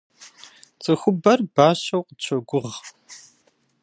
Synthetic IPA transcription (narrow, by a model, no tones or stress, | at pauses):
t͡sʰʼɨxʷʊbɐrbaːɕɐwqət͡ɕʰɐɡʷʊʁ